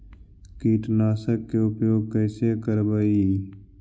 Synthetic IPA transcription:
kiːʈnaːsəkːoːpjoːkəːsekəɾbəi

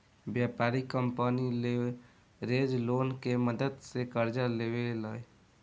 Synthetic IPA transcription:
bjapaɾikəmpənile | ɾed͡ʒlonkeməd̪əd̪sekəɾd͡ʒalebeləj

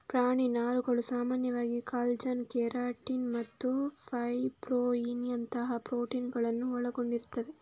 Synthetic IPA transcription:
pɾaːɳinaːɾuɡɐɭusaːmaːnjɐʋaːɡikaːld͡ʒɐnkɛːɾaːʈːinmɐt̪ːupʰɐjpɾoːinɐnt̪ɐɦɐpɾoːʈinɡɐɭɐnːuɔɭɐɡoɳɖiɾut̪ːɐʋe

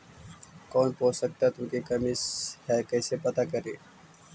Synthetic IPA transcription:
kɔːnpoːsək̚t̪at̪ʊ̃mkekəmishɛkəɪsepət̪akəɾeː

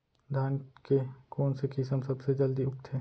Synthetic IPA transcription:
d̪ʱaːnkekoːnsekɪsəmsɐbsed͡ʒɐld̪iʊk̚t̪ʰeː

